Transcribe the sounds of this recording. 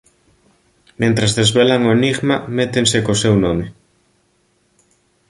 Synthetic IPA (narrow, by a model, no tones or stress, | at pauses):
mẽnt̪ɾazðezβelaŋoeniɣmamet̪eŋsekosewnɔmeɪ